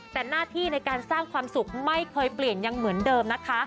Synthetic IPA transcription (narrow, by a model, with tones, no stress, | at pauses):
t̪ɛː˨˩naː˥˩t̪ʰiː˥˩na˧jkaː˧nsaː˥˩ŋkʰwaː˧msu˨˩k̚ma˥˩jkʰɤː˧jpli˨˩ənja˧ŋmɯ˩˦əndɤː˧mna˦˥kʰa˦˥